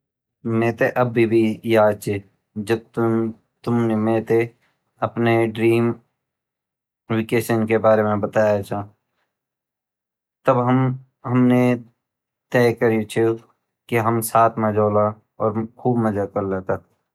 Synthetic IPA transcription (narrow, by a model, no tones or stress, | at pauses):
mẽːt̪eʔɐbːibʱijaːd̪t͡ʃʰe | d͡ʒəb̚t̪ | t̪ʊmnemẽːt̪e | ɐpneɖɾiːm | wɪkeːʃənkebaːɾemẽbət̪aːjat͡ʃʰa | t̪əbɦəm | ɦəmne | t̪ɛːkəɾit͡ʃʰe | kiɦəmsaːt̪ʰmãd͡ʒoːla | ɔːɾkʰuːbməd͡ʒakəɾlat̪ək̚